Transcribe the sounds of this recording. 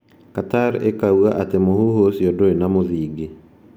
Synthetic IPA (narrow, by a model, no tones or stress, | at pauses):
kataɾḛkauaʔatemohuhosiɔdoenamoðiːɡe